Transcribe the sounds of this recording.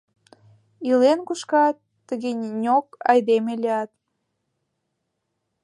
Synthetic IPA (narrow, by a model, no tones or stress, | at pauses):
ilenkuʃkɑt̪ːəɣenʲokɑ̰jd̪emelʲiɑt̪